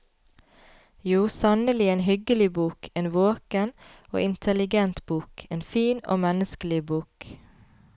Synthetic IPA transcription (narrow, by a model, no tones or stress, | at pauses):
juːsɑnəlɪeːnɦʏɡəlɪbuːkʰeːnʋoːkəno̰ːʔɪnt̪ʰəlɪɡɛnt̪buːkeːnfiːno̰ːmɛnəskəlɪbuːk